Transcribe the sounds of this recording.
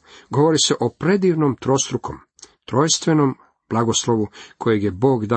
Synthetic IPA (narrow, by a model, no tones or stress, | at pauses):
ɡo̞ʋo̞ɾise̞ʔo̞pɾe̞d̪iːʋnoːmt̪ɾost̪ɾukʰo̞̰m | t̪ɾo̞ːjst̪ʋeno̞m | b̥lˠaɡoslˠo̞ʋukʰo̞jeɡjebo̞ːɡd̪a